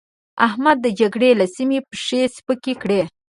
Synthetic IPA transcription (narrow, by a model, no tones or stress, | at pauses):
ahmad̪ːəd͡ʒaɡɽelasimepəʂespəkekɽe